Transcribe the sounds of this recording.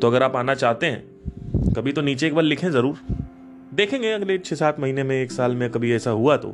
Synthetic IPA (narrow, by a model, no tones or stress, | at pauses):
t̪oɐɡəɾaːpaːnat͡ʃaːɦt̪eɦɛ̰̃ː | kɐbʱit̪oniːt͡ʃeeːk̚baːɾlɪkʰẽzɐɾuːɾ | d̪eːkʰẽːŋɡeɐɡlet͡ʃʰesaːt̪ʰmɐɦiːnemẽeːksaːlmẽkɐbʱiɛːsaɦuat̪o̰ː